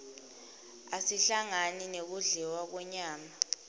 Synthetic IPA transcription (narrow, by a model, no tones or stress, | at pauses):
asiɬaŋaninek̬uɮɛwak̬ɔɲaːma